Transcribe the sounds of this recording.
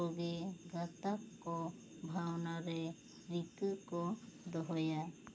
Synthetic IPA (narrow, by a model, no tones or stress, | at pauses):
ɔɡɛɡat̪akːɔ | bʱawnaɾɛ | ɾit̪ɯkɔd̪ɔɦɔja